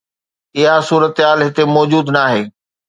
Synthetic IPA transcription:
ɪɦasuːɾət̪ɦaːlɦɪt̪emɔːd͡ʑuːd̪naːɦeː

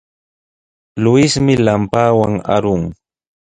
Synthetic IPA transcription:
lʊɪsmɪlampaːwaŋa̰ɾʊŋ

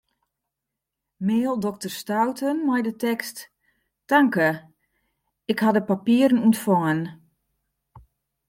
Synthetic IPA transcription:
meːlˠdɔk̚tərstawtʰənmajdətɛkst | taŋkə | ɪkhadəpapiəɾənuntfɔŋən

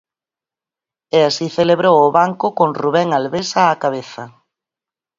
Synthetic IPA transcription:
ɛasiθeleβɾowʊβaŋkʊkoŋruβ̞ɛŋalβesaːkaβ̞eθɐ

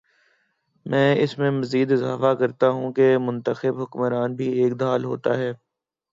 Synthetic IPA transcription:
mɛ̃ːɪsmẽmɐziːd̪ɪza̰ːfakɐɾt̪aɦũkemʊ̃nt̪əxɪbɦʊkməɾaːnbʱieːk̚d̪aːlɦo̰ːt̪aɦɛː

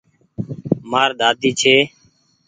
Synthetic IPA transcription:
maːɾɗ̪aːt̪iːt͡ʃʰeː

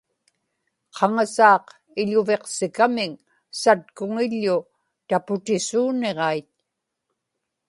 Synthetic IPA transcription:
qʰɑŋasɑːq | ɪʎʊve̞qsɪkamɪŋ | sat̪̚kʊŋɪʎːʊ | t̪apʊt̪ɪsuːne̞ʁɑijt̪̚

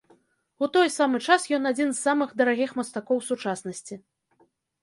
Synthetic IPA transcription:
ut̪ɔjsamɨt͡ʂasjɔnad͡zʲinzːamɨxd̪ɐɾaɣʲixmɐst̪akɔwsut͡ʂasnɐsʲt͡sʲi

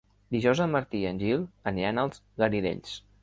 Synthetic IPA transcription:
d̪iʒɔwzəmːəɾt̪iənʲʒilˠəniɾanəlˠz̥ | ɣəɾiðḛʎs

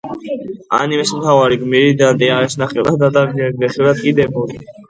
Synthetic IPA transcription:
a̰nimɛsmt̪ʰavaɾiɡmiɾid̪and̪ɛaɾɛsnaχɛlˠad̪ad̪amɛɡd̪ɛχɛlad̪̚kʼid̪ɛbɔɾi

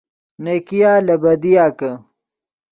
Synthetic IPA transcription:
nekijaːlɐbɐd̪ijaːkɐ

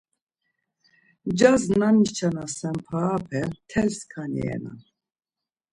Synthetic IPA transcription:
d͡ʒaznanit͡ʃʰanasɛmpʰaːpʰɛt̪ʰɛlskʰanḭɛ̰na̰

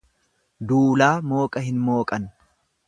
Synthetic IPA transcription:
d̪uːlaːmo̞ːkʼɐɦɪnmo̞ːkʼɐn

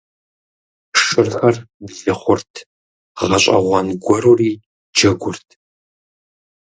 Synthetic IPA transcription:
ʂɨrxɐrbzɨχʷʊrtʰ | ʁɐɕʼɐ̰ʁʷɐnɡʷɔɾuriː | d͡ʒɐɡʷʊrtʰ

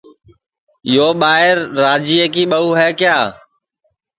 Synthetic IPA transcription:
joːɓaːɪɾːaːd͡ʒiːeːkiːɓəuːɦɛːkjaː

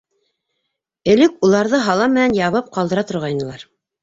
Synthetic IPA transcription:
ɘ̆lɘkulˠɑɾðɤɦɑlˠɑmːɘ̆nænjɑβɤp̚qɑlˠd̪ɤɾɑt̪ŏɾʁɑjnɤ̆lˠɑɾ

